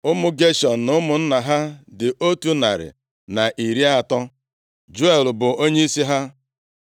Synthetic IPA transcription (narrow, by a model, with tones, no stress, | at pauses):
ʊ˦mʊ˦ɡe˦ʃɔ˨n̩˨nʊ˦mʊ˨n̩˦na˨ɦa˦dɪ˨ʔo˦tu˦na̰˨ɾɪ̰˨ | na˨ʔi˨ɾi˦a˦˨tɔ˦ | d͡ʒu˦e˨lbʊ˨o˦ɲe˦i˦si˦ɦa˦